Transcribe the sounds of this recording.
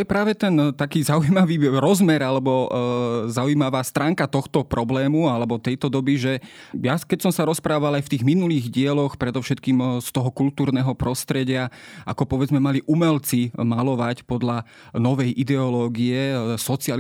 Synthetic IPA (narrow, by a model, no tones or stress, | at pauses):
t̪ɔjɛpɾaːʋɛt̪ɛnt̪akiːzaujimaʋiːɾɔzmɛɾalɛbɔ | zaujimaʋaːst̪ɾaːŋkat̪ɔxt̪ɔpɾɔblɛːmualɛbɔt̪ɛjt̪ɔd̪ɔbiʒɛ | jakɛcsɔmsaɾɔspɾaːʋalajft̪iːɣminuliːɣɟɪɛlɔxpɾɛd̪ɔʊʃɛt̪kiːmst̪ɔɦɔkult̪uːɾnɛːɦɔpɾɔst̪ɾɛɟɪaʔa̰kɔpɔʋɛd͡zmɛmaliʔumɛlt͡simalɔʋacpɔd̪la | nɔʋɛjʔid̪ɛɔlɔːɡiɛsɔt͡sial